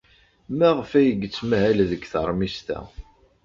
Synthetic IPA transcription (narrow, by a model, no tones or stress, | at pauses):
mæʁəfæjəɡːt͡sːmæhælðəɡθəɾˤmist̪æ̰